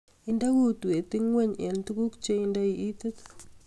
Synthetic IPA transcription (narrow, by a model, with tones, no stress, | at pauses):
i˨nda˦ku˦t̪u˨e˨t̪i˦ŋwe˦˨ɲe˨nt̪u˦ku˦kt͡ʃe˦i˦nda˦i˨ʔi˦t̪e˦t̪